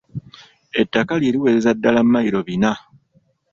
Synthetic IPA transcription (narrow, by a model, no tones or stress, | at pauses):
e̞tːakaljeːɾiwe̞ːzezadːalamːajiɾo̞βina